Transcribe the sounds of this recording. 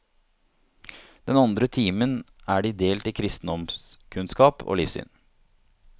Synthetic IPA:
d̪̥ɛnɑnd̪ɾət̪ʰiːmənæːɖiːd̪eːlt̪ɪkʰɾɪst̪n̩d̪ɔmskʰʉnskɑːpʰo̰ːliːfsy̰ːn

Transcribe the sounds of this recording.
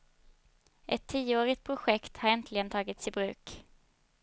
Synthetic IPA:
ʔɛt̪ʰːiːəoːɾɪt̪̚pʰɾʊɧɛkt̪haɾɛnt̪ʰlɪɡənt̪ʰɑːɡɪt̪sɪbɾʉ̟ːk

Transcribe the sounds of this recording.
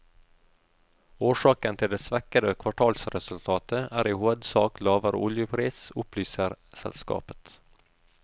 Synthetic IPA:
oːʂɑːkənt̪ʰɪld̪eːsʋɛkəd̪əkʰʋɑʈʰɑːlsɾɛsʉlt̪ʰɑːt̪ʰəæːɾiːhoːd̪sɑːklɑːʋəɾo̰ʔʊljəpʰɾiːsʊplyːsəɾsɛ̰lskɑ̰ːpə̥t̪

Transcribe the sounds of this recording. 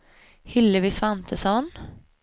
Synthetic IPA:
hʏlːəʋiːsʋant̪ʰəsɔn

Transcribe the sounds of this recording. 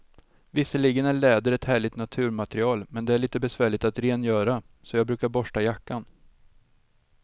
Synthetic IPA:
vɪsːəliːɡənæɭɛːd̪əɾɛt̪hæːɭɪɡt̪nat̪ʰʉ̟ːɾmat̪ɾɪɑːlmɛnd̪ɛæɭiːt̪əbɛsvæːɭɪɡ̚t̪at̪ɾeːnjœːɾa | sɔjɑːɡ̚bɾʉ̟ːkaɾbɔʂʈajakːan

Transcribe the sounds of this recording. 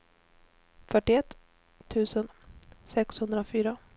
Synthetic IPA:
fœʈːɪɛt̪ʰː | ʉ̟ːsənsɛkshɵnd̪ɾafyːɾa

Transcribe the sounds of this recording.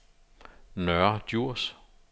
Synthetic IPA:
nœɐd̥juɐ̰s

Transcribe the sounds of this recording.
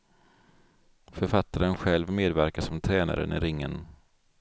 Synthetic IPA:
fœɾfat̪ːaɾənɧɛlvmeːd̪væɾkasɔmt̪ʰɾɛːna̰ɾə̰nɪɾɪŋːən

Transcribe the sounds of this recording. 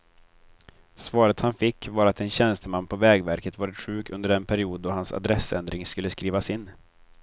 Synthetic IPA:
svɑːɾət̪hanfɪkːvaɾat̪ɛnɕɛnst̪əmanːpʰɔvɛːɡvæɾkət̪vɑːɾɪt̪ɧʉ̟ːkʰɵnd̪əɾɛnpʰæɾɪuːd̪̚d̪ɔhansa̰d̪ɾɛsɛnd̪ɾɪŋskɵlːəskɾiːvasɪnː

